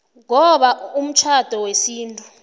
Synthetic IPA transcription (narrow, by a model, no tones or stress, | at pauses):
ŋɔɓaum̩t͡ʃʰad̥ʱɔwesiːntʼu